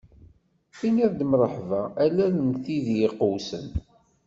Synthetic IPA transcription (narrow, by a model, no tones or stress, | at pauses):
θiniɾd̪məɾˤəħvaælælənθiðjɪqːəwsən